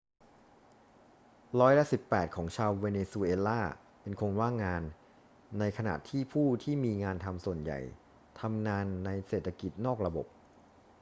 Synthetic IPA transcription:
ɾɔː˦˥jla˦˥si˨˩pːɛː˨˩t̪̚kʰɔː˩˦ŋt͡ɕʰaː˧wːeː˧neː˧su˧ʔeː˧laː˥˩ | pe˧nkʰo˧nwaː˥˩ŋaː˧nː | a˧jkʰa˧na̰˨˩ʔt̪ʰiː˥˩pʰuː˥˩t̪ʰiː˥˩miː˧ŋaː˧nt̪ʰa˧msu˨˩ənja̰˨˩j | t̪ʰa˧mŋaː˧nːa˧jseː˨˩t̪ʰːa˧ki˨˩t̪̚nɔː˥˩k̚ɾa˧bo̰˨˩p̚

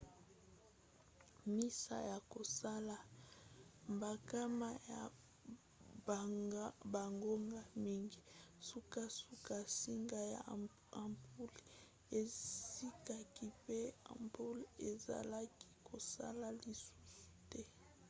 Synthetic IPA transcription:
mi˦sa̰˨ja˨ko˨sa˦la˨ | mba˨ka˦ma˦ja̰˨˦ | ba˨ŋɡo˦ŋɡa˦mi˦ŋɡi˨su˦ka˦su˦ka˦si˦ŋɡa˦ja̰˨ | a˨mpʰu˦l | e˨ssi˦ka˦ki˦pe˦a̰˨mpu˦le˨za̰˨la˦ki̥˦kʰo˨sa̰˦la˨li˨su̥˦su˦tɛ˦

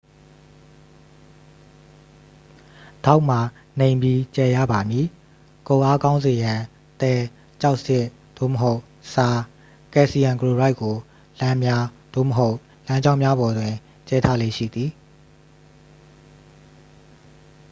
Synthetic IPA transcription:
d̥a˦ʊʔm̥a˨ | nẽ˨ɪ̃mbji˨t͡ɕɛ˨jä̰˦˨ba˨mji˨ | kõ˨ʔa˦kã˦ʊ̃nze˨jã˨ | t̪ɛ˨ | t͡ɕa˦ʊʔsɪ˦˨ʔ | d̪̥o̰˦˨mə˨ɦo˦ʊʔ | sa˨ | kɛ˨ʔsi˨jã˨ŋkəɹo˨ɹa˦ɪʔkːo˨ | lã˦mja˦ | d̥o̰˦˨mə˨ɦo˦ʊʔ | lã˦ɲd͡ʑã˦ʊ̃mja˦bɔ˨dwɪ̃˨ | t͡ɕɛ˦tʰa˦˨lḛ˦˨ʃḭ˦˨d̪i˨

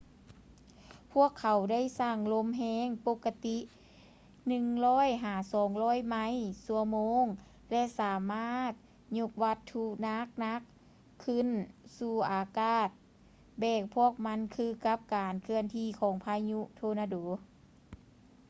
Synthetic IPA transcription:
pʰu˥˩əkʰːa˨˦wda˥˨jsaː˧˩ŋlo˧˥mɦɛː˧˥˨ŋpo˧˥kːa˧t̪i˧˥ʔ | nɯ˧˨ŋlɔː˧˥˨jɦaː˨˩sɔː˨˦ŋlɔː˧˥˩jma˧˥˨jsu˧˩əmoː˧˥ŋ | lɛ˧˥ʔsaː˨˦maː˧˥˩t̪̚ | ɲu˧k̚ʋa˧t̪ʰːu˧na˧˥k̚na˧˥k̚ʰː | ɯ˧˥˨nsuː˧˩ʔaː˨˩kaː˧˩t̪̚ | bɛː˧˩k̚pʰu˧˥˩ək̚ma˧˥˨nkʰɯː˧ka˧˥p̚kaː˨nkʰɯ˧ənt̪ʰiː˧˥˩kʰɔː˨˦ŋpʰaː˧jɲu˧ʔt̪ʰoː˧naː˧doː˨˦

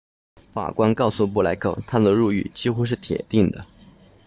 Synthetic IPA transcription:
fa̰˨˩kwa˥nkɑ˥˩ʊsu˨˩p̬u˥˩la˧˥ɪkʰɤ̰˥˩t̪ʰa˥d̪ə˨ɻu˥˧y̰˥˩t͡ɕi˥xu˥ʂ̬ɻ̩˥˩t̪ʰjɛ̰˨˩t̪i˥˩ŋd̪ə̰˩

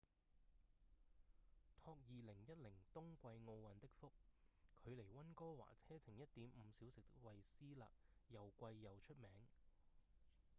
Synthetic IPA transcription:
t̪ʰɔː˧k̚jiː˨lɪ˨˩ŋjɐ˥t̚lɪ˨˩ŋt̪ʊ˥ŋkʷɐ˧jŋo˧wwɐ˨nt̪ɪ˥k̚fʊ˥k̚kʰɵ˨˧ɥle˨˩jwɐ˥nkɔː˥wa̰ː˨˩t͡sʰɛː˥t͡sʰɪ˨˩ŋjɐ˥t̚t̪iː˨˥mm̩˨˧siː˨˥wsɪ˨k̚t̪ɪ˥k̚wɐ˨jsiː˥la̰ː˨˩k̚jɐ˨˩wkʷɐ˧jːɐ˨˩wt͡ʃʰɵ˥t̚mɛː˨˥ŋ

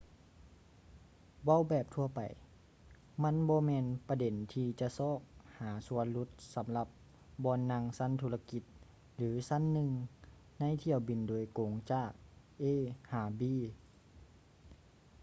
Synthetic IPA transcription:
wa˧˥˨wbɛː˨˩p̚t̪ʰu˧ɐpa̰˨˩j | ma˧˥˨nbɔː˧mɛː˧npa˧de˨˦nt̪ʰiː˧t͡ɕa˧sɔː˧˥˩k̚haː˩˦su˧˦ənlu˧˥t̪̚sa˨˦mla˧p̚ | bɔː˧nːa˧˥ŋsa˧˥˨nt̪ʰuː˧la˧ki˧˦t̪̚ | lɯː˨˦sa˧˥˨nːɯ˧ŋ | na˧˥˨jt̪ʰi˧˩əwbi˨˩ndoː˨˩jkoː˨˩˦ŋt͡ɕaː˧˩k̚ | ʔeː˧˥˨haː˨˧˩biː˧˩

